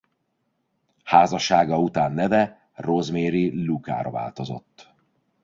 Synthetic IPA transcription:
haːzɒʃaːɡɒut̪aːnːɛvɛ | rozmeːɾiluka̰ːɾɒva̰ːlt̪o̞zo̞̰t̪ː

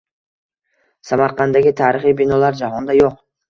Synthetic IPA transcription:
samaɾqʰɑnd̪aɡʲit̪ʰaːɾɨχibinɒlaɾd͡ʒaɦɔnd̪ajoq̚

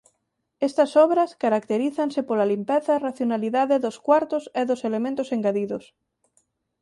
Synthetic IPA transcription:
est̪asɔβɾaskaɾakt̪eɾiθansepolalimpeθɐraθjonaliðaðeðoskwaɾt̪oseðoselemẽnt̪oseŋɡaðiðos

